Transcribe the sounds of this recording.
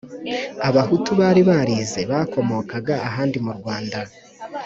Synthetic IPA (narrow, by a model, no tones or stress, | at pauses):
aβahutuβaːɾiβaɾize̞βako̞mo̞ːkaɡaːɦaːndimuɾɡwaːnda